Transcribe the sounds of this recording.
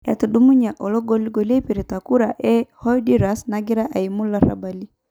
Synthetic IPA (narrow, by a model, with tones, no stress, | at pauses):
ja̰˨tu˨dumu˦ɲa˨ʔɔ˨lɔ˦ɡɔ˦li˦ɡɔ˨le˦pi˨ɾi˨ta˨ku˦ɾa˨ʔɛ˦hɔ˦idiɾa˨sna˦ɡi˦ɾa˦ʔa˨i˨mu˦la˦ɾa̰˨ba˨li˦